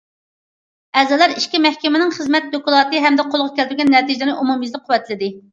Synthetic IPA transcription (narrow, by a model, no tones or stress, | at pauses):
ɛzɛlˠæɾiʃkʲimɛhkʲimɪnɪŋχəzmɛt̪̚d̪okulˠɑːt̪ɨɦɛmd̪ɛqʰolˠʁɑkʲʰɛld̪ɾɡʲɛnːɛt̪ʰid͡ʒɪlɪnɪʔumumizlɪk̚qʰːʊwɛt̪ʰlɪd̪ɪ